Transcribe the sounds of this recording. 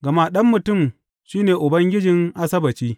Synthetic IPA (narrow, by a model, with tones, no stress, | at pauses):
ɡɐ˨ma˦ɗɐ˦mːʊ˨tʊ˦˨m | ʃiː˦neː˨ʔʊ˨bɐ˦ŋɡʲɪ˦d͡ʒɪ˨ŋʔa˦sɐ˦bɐ˨t͡ʃiː˦